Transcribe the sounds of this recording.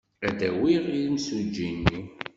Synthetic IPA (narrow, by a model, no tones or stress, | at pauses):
æd̪æwiʁinsud͡ʒinːi